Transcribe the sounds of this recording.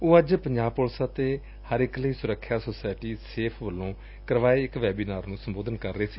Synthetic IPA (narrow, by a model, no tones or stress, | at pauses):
oːəd͡ʒpəɲd͡ʒaːbpʊlsaːt̪eː | həɾɪkləiːsʊɾəkʰːjaːsoːsaːɪʈiːseːpʰʋəlːõː | kəɾʋaːeːɪkʋɛːbiːnaːɾnũːsəmboːd̪ənkəɾːəeːsi̥ː